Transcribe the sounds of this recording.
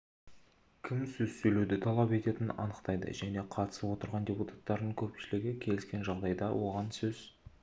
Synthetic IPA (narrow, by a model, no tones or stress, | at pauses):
kʲʰɪmsɵzsɵjlewd̪ɪt̪ʰɑlˠɑpe̞t̪e̞t̪ɪnɑ̰nəqt̪ɑjd̪ə̰ʒæne̞qʰɑt̪ə̥səpwo̞t̪əɾʁɑndʲeput̪ʰḁt̪ːɑɾd̪əɴkʲʰɵpʃɪlɪɡʲɪkʲʰe̞lɪskʲe̞nʒɑʁd̪ɑjd̪ɑwʔo̞ʁɑnsɵz̥